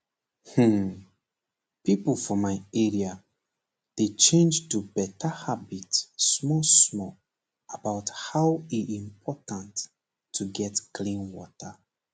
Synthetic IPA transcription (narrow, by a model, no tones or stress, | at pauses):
h̩ | pipəlfɔmaɪɛɹia | d̥et͡ʃẽnd͡ʒtubɛtəhabitsmɔsmɔ | abaʊthaʊwiĩmpʰɔtãnt | tʰːuɡɛtkʰlĩnwɔ̰tə